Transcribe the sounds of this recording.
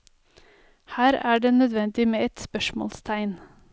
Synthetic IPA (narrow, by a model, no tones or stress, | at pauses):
hæːɾæːɖeːnœd̪ʋɛnd̪ɪmeːɛt̪spœʃmɔ̰ːlst̪ʰæɪn